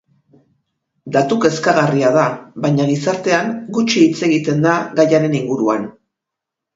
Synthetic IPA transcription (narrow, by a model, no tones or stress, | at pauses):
d̪at̪uke̞skaɣariaðaβajɲalisaɾt̪e̞aŋɡut͡ʃiːt͡se̞ɣit̪e̞nd̪aɣajaɾe̞niŋɡuɾuan